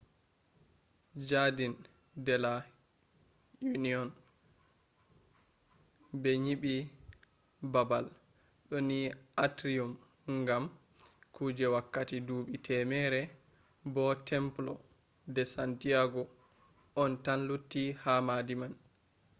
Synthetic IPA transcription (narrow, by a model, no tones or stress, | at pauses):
d͡ʒadin | dɛla | juniɔn | bɛɲiɓi | babal | ɗɔniʔatɾium | ŋɡam | kuːd͡ʒɛwakːatiduːɓitʰɛmɛɾɛ | bɔtʰɛmplɔ | dɛsantijaɡɔ | ʔɔntanlutːihamadiman